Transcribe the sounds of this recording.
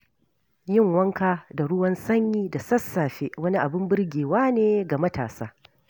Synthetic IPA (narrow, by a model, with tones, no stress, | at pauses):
jɪ˦ŋwɐ˦ŋkaː˦da˨ɽʊ˦wɐ˦nsɐ˦ɲjiː˦da˨sɐ˦sːaː˨ɸeː˦wɐ˦ni˦ʔa˨bɪ˦mbɪ˦rɡʲeː˨waː˦neː˦ɡa˨mɐ˦ta̰ː˨saː˦